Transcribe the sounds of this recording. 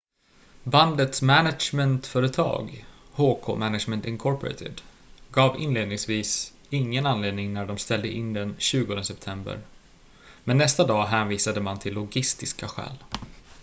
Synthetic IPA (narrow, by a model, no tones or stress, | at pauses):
band̪ət̪smænaʂmɛnt̪fœːɾət̪ʰɑ̰ːɡ | hoːkʰo̰ːmænaʂmɛnt̪ɪŋkʰɔɾpɔɾɛ̰t̪ʰɪ̰d̪ | ɡɑːvɪnleːd̪nɪŋsviːs | ɪŋːənanleːd̪nɪŋnæɖɔmst̪ɛld̪əʔɪnd̪ɛnɕʉ̟ːɡɔnd̪əsɛp̚t̪ʰɛmbə̰ɾ | mɛnːɛst̪ad̪ɑːɦæːnviːsad̪əmant̪ʰɪlːʊɡɪst̪ɪskaɧɛ̰ːl